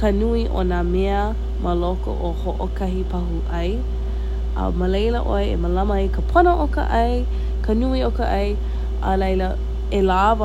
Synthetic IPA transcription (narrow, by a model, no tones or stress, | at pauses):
kənuiʔo̰nameə | mʔəloko̰ʔohoʔokɐɦipɐɦuʔɐj | ə̰məlejləʔoeḛməlɐməekəpʰonəʔokə̰ʔɐj | kənuiokəʔɐj | ʔə̰lɐjlə | elavə